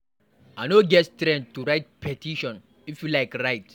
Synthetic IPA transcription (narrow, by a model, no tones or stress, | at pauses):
anoɡɛttɾɛ̃nd̚tuɾaɪt̚pʰɛtʰiʃɔ̃n | ifjulaɪkɾaɪt